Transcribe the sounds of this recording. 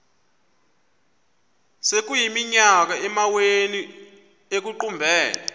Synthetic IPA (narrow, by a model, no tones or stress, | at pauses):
sek̬ujimiɲak̬aɛmaweni | ek̬uǃumbʱɛːla